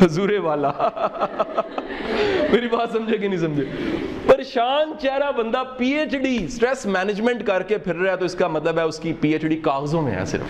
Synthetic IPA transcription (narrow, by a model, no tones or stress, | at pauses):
ɦɐzuːɾeʋaːlaː | meːɾibaːt̪sɐmd͡ʒek̬enĩsɐ̃md͡ʒeːpəɾʃaːnt͡ʃɛːɾaːbə̃nd̪aːpiːeːt͡ʃɖiːsʈɾɛːsmɛːnɪd͡ʒmɛ̃ɳʈkɐɾkepʰɪɾɾaɛːt̪oɪskamɐt̪ləbɦɛːʊskipiːeːt͡ʃɖiːkaːɣzõːmḛ̃ɛ̰ːsɪ̰ɾə̰f